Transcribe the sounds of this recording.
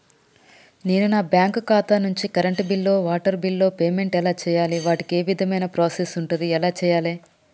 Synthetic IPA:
neːnunaːbjaːŋkkaːt̪anuɲt͡ʃikɐɾɐɳʈbilːo̞ːʋaːʈɐɾbilːo̞ːpeːme̞ɳʈɛlaːt͡ʃɛːjaːliʋaːʈike̞ːʋid̪ʱɐmɐjnɐpɾaːsesuɳʈund̪iɛlaːt͡ʃɛːjaːleː

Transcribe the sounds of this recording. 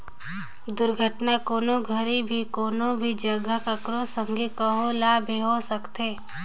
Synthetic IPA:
d̪ʊɾɡʱəʈnakoːnoɡʱəɾibʱikoːnobʱid͡ʒəɡəkəkɾosə̃ŋɡʱikəɦolaːbʱiɦosəkt̪eː

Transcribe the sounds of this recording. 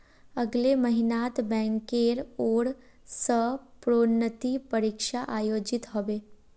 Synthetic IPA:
əɡleməɦɪnaːt̪bɛ̃ːŋkeːɾoːɾ | səpɾoːnːət̪ipəɾikʃaʔaːjoːd͡ʒɪt̪ɦoʋeː

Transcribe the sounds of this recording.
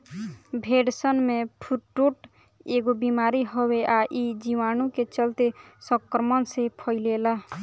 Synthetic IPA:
bʱeɖsənmepʰuʈːoʈ | eɡobimaːɾiɦoweʔaʔid͡ʒiʋaːnũket͡ʃəlt̪esəkɾəmənsepʰəɪlela

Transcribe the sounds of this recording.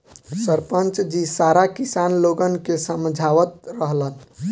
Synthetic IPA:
səɾpənt͡ʃd͡ʒisaɾakisanloɡənkesəmd͡ʒʱaʋət̪ɾəɦlən

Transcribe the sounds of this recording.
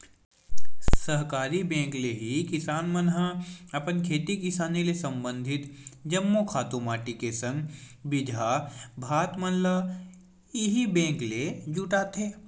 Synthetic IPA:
səɦkaːɾibɛ̃ːŋkleɦikɪsaːnmənɦaɐpənkʰeːt̪ikɪsaːnilesɐ̃mbə̃nd̪ʱɪt̪d͡ʒɐmːokʰaːt̪umaːʈikesə̃ŋɡ | bɪd̪ʱabʱaːt̪mənla | ɪɦibɛ̃ːŋkled͡ʒuʈaːt̪eː

